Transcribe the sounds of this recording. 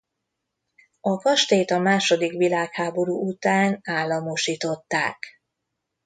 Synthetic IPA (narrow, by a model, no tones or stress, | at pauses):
ɒkɒʃt̪eːt̪ɒmaːʃo̞d̪ikʋilaːkhaːbo̞ɾuːut̪aːnaːlːɒmoʃiːt̪o̞t̪ːa̰ːk